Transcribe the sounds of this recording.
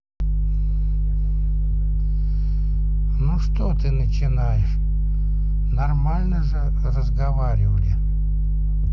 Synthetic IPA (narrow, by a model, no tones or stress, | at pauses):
nuʂt̪ot̪ɨnət͡ɕɪnajɪʂ | nɐrmalʲnəʐɨ | rəzɡɐvaɾʲɪvəlʲɪ